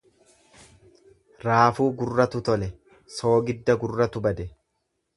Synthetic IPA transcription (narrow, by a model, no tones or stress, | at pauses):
ɾaːfuːɡʊrːɐt̪ʊt̪ɔlɛ | so̞ːɡɪd̪ːɐɡʊrːɐt̪ʊbɐd̪ɛ